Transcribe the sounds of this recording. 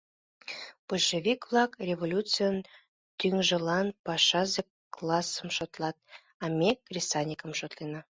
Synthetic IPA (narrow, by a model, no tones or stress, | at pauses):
b̥uʃevʲikvlˠɑkrʲevolʲut͡sɨjən | t̪yŋʒə̆lɑnpɑʃɑze | klˠɑsə̆mʃot̪lˠɑt̪̚ | ɑmʲekrʲisɑnʲikə̆mʃot̪lenɑ